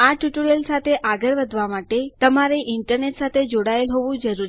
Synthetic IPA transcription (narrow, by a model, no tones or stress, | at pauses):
aʈjuʈoɾəlsat̪ʰeʔaɡəɾʋəd̪ʱʋamaʈet̪əmaɾeʔiɳʈəɾneʈsat̪ʰed͡ʒoɽaelɦoʋũd͡ʒəɾuɾi